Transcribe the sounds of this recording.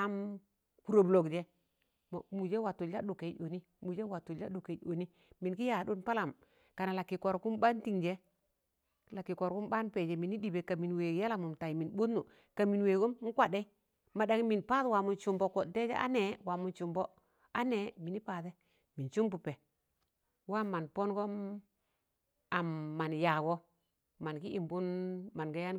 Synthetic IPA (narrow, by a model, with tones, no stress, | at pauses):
a˨m | ku˨ɾo˨blo˨ɡd͡ʒe˦ | mo˨mu˨d͡ʒe˦wa˨tu˨ld͡ʒa˦ɗu˨ke˨˦o˨ni˦ | mu˨d͡ʒe˦wa˨tu˨la˦ɗu˨ke˨˦o˨ni˦ | mi˨nki˦ja˨ɗu˦npa˦la˨m | ka˨na˨la˨kːi˨ko˨ɾku˦mba˦nti˨ŋd͡ʒe˦ | la˨kːi˨ko˨ɾku˦mɓa˦npe˨d͡ʒe˨mi˨ni˦di˨be˨ka˨mi˨nwe˨ɡja˦la˨mu˨mta˨ji˨mi˨nɓuː˦u˨ | ka˨mi˨nwe˨ɡu˦m˦ŋ̩˦kʷa˨de˦ | ma˨da˨ŋi˦mi˨npa˦twa˨mu˨nt͡ʃu˨mbo˨ko˨de˦d͡ʒḛ˦ʔa̰˦ne˨wa˨mu˨nt͡ʃu˨mbo˦ | a˦ne˨mi˨ni˦pa˨ðe˦ | mi˨t͡ʃu˦mbu˨pe˨ | wa˦ma˨npo˦nɡo˦m | a˨mːa˨nja˨ɡo˦ | ma˨nki˦ʔi˨mbu˦nma˨nɡa˦ja˦n